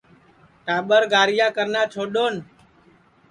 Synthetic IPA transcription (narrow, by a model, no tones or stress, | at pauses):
ʈaːɓəɾɡaːɾɪjãːkəɾnãːt͡ʃʰoːɗoːn